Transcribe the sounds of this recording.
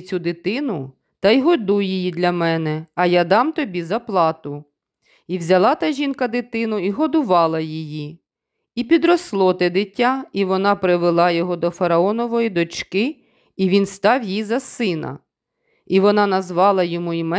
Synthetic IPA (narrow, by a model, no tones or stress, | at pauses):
t͡sʲud̪ɪt̪ɪnʊ | t̪ɐjɦɔd̪ujijid̪lʲɐmɛnɛɐjad̪ɑmt̪ɔbʲizɐplˠɑt̪ʊ | iwzʲɐlˠɑt̪ɐʒʲinkɐd̪ɪt̪ɪnʊiɦɔd̪ʊʋɑlˠɐjiji | ipʲid̪ɾɔslˠɔt̪ɛd̪ɪtʲːaiʋɔnɑpɾɪʋelˠɑjɔɦɔd̪ɔfɐɾɐɔnɔʋɔjid̪ɔt͡ʃkɪ | iʋʲinst̪ɑwjizɐsɪnɐ̰ | iʋɔnɑnɐzʋɑlˠɐjɔmuimɛ